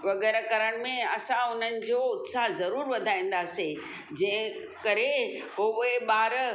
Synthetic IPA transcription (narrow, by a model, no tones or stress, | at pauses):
ʋɐɣɛːɾkɐɾəɽ̃̆mẽɐsãʊn̤ənɪ̆d͡ʑoːʊt̪saːɦzɐɾuːɾʋɐd̪ʱaːĩːnd̪aːsẽ | d͡ʑɐ̃ɦɪ̃ | kɐɾe | ɦoeɓaːɾ